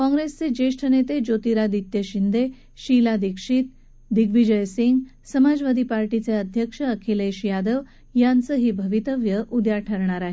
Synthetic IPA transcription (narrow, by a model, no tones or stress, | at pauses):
kɔ̃ŋɡɾest͡sed͡ʑeʂʈʰənet̪ed͡ʑot̪iɾad̪it̪jəɕind̪e | ɕilad̪ikʂiːt̪̚ | d̪iɡʋid͡ʑəjsiŋɡ | səmad͡zʋad̪ʱipaɾʈit͡seəd̪ʱjəkʂəːkʰeleɕjad̪əʋ | jant͡səɦiːbʱəʋit̪əʋjəʔud̪jaʈʰəɾɳ̃aɾaɦe